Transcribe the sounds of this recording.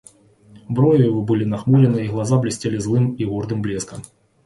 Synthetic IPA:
bɾɔjujivɔbɨlʲinaxmuɾʲɛnɨiɣlˠazablʲisʲt͡sʲɛlʲizlˠɨmiɣɔrd̪ɨmblʲɛskɐm

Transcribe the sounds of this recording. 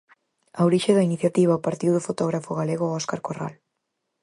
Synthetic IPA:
awɾiʃeðɐiniθjat̪iβ̞aopaɾt̪iwðʊfot̪ɔɣ̞ɾafoɣaleɣoɔskaɾkora̰l

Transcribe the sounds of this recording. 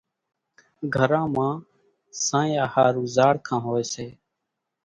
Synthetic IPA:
ɡʱəɾãːmãː | sãːĩaːhaːɾuːzaːɽkʰãːɦoːeːseː

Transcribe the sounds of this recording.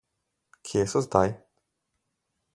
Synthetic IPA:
kʲʰesɔzd̪aj

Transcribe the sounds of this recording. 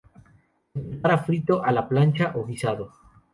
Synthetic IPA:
eaɾafɾit̪oʔalaplant͡ʃaʔoɣisaðo

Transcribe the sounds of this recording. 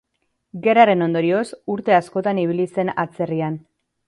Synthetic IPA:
ɡe̞ɾaɾe̞no̞nd̪o̞ɾio̞suɾt̪e̞asko̞t̪aniβ̞ilise̞na̰t͡se̞rian

